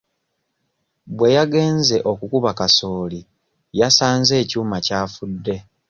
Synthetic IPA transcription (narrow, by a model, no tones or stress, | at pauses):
bwe̞jaɡe̞ːnze̞ʔo̞kukuβakaso̞ːli | jasaːnze̞ːcuːmacaːfudːe̞